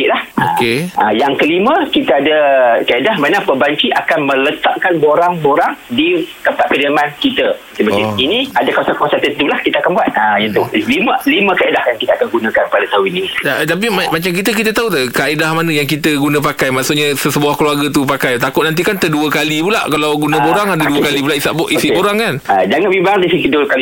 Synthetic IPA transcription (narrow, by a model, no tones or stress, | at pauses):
iʔlahokeəjaŋkəlimə̃kit̪aadəkaidahmanapəbaɲt͡ʃiʔakanmə̃lət̪aʔkanboɾaŋboɾaŋdik̪əpaʔ̪̚kədəmankit̪ə | səbəiiniadakawasakaasat̪ənt̪ulahkit̪akanbuat̪̚əint̪uliməlimə̃kaidahjaŋkit̪əakanɡunãkanpadat̪aũinit̪at̪ap̬immat͡ʃamk̬it̪əkit̪ət̪aut̪əkaʔidahmanə̃jaŋkit̪əɡunãp̬akajmaʔsuʔɲasəsəbuahkluarɡat̪upakajt̪akʊt̪nant̪̬ikant̪əduəkalipulaʔkalawɡunãboɾaŋadəduəkalipulaʔisaʔboʔisiboɾaŋkanad͡ʒaŋanbibaŋaisikədulkali